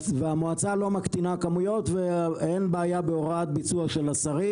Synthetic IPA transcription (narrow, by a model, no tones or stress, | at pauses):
veamoat͡salo̞makt̪inakamujo̞t̪veenbeajabeo̞ʁat̪̚bit͡suaʃe̞lasaʁi